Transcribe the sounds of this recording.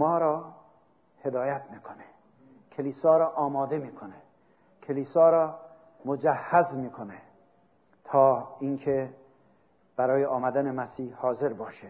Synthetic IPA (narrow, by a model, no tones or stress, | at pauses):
mɒːɾɒː | he̞d̪ɒːjæt̪ʰmiːkʰone̥ | kʰeliːsɒːɾɒːʔɒːmɒːd̪e̞miːkʰone | kʰeliːsɒːɾɒː | mod͡ʒæhːæzmiːkʰone | t̪ʰɒːinkʰe | b̥æɾɒːjeʔɒːmæd̪ænemæsiːhhɒːze̞ɾbɒːʃe